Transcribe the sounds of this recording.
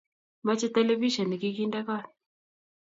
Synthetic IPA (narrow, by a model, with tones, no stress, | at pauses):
ma˦t͡ʃɛ˦tɛlɛ˦vi˦ʃɔ˨ni˨kikinda˦ka˦˨ni